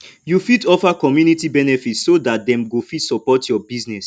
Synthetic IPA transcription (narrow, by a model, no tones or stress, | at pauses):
jufidɔfakɔmjunitibɛnɛfitssodat̚dɛ̃mɡofidsɔpɔtʰjɔbiznɛs